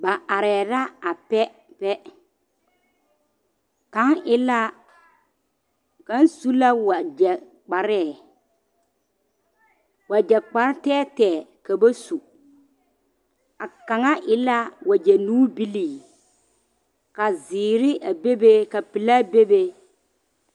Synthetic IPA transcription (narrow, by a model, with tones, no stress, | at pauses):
ba˨ʔa˨ɾɛː˨ɾa˦a˨pɛ˦ | pɛ˦ | ka˦nʔɪ˦la˦ | ka˨˦n˦su˦la˦wa˨d͡ʒɛ˨ | k͡pa˨ɾɛ˦˨ | wa˨d͡ʒɛ˨k͡pa˨ɾɪ˦tɛː˦tɛː˨ka˨ba˦su˨ | a˨ka˨ŋa˦ʔɪ˨la˦wa˨d͡ʒɛ˨nuː˦bi˦liː˨ | ka˨zɪː˨ɾɪ˦ʔa˨be˦be˦ka˨pɪ˨la˦be˦be˦